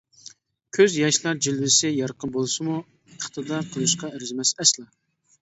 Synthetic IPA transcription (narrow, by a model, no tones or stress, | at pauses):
kʲʰøzjɑʃlˠɑɾd͡ʒilvɪsɪjɑɾqənbolˠsɨmu | əχt̪ɨd̪ɑɾqʰəlˠɨʃqɑɪɾzɪmɛsɛslˠɑ